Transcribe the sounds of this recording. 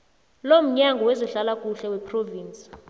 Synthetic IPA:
lom̩ɲaŋɡʱɔwɛzɔɬalakʼuɬɛwɛpʰroviːnt͡sʼi̥

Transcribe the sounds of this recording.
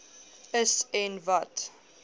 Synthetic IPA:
əsɛnvɐt

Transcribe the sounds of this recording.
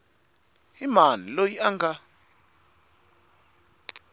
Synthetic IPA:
imanilojiaŋɡa

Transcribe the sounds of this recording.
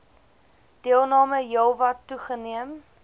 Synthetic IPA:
d̥iəlˠnɑːməjəlˠvɐtːuχəniəm

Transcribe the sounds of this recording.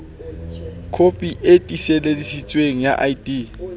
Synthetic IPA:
kʰopʼiʔetʼisɛlelisit͡sʼweŋija̰ʔajdi

